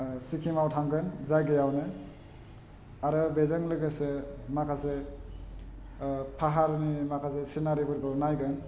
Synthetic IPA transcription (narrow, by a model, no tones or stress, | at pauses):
sikʰimawtʰaŋɡɯnzajɡejawnɯ | aɾɯbezaŋlɯɡɯsemakʰase | pʰaɦaɾɯnimakʰas̬esinaɾibɯɾɡɯwnajɡɯn